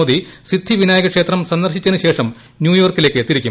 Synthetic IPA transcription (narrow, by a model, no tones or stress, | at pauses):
od̪isid̪ʱːiʋinaːjɐɣɐkʂeːt̪rɐmsɐnd̪ɐrɕit͡ɕːɐnɨɕe̞ːʂɐm | njuːjoːrkile̞ːkːɨt̪ːiɾikʲːu